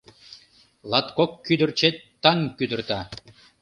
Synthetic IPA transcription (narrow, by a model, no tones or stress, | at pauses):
lˠɑt̪kokːyd̪ərt͡ɕet̪ːɑŋkyd̪ərt̪ɑ